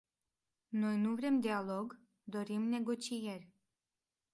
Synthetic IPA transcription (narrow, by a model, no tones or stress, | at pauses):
no̞jnuvɾe̞md̪ealo̞ɡ | d̪o̞ɾimne̞ɡo̞t͡ʃijerʲ